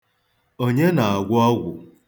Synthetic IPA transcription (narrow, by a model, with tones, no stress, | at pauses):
o˦ɲe˦na˨a˨ɡʷʊ˦ɔ˦ɡʷʊ˨